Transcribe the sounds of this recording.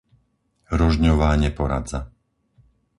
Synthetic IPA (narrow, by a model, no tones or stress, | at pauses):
ɾɔʒɲɔʋaːɲɛpɔɾa̰d͡za̰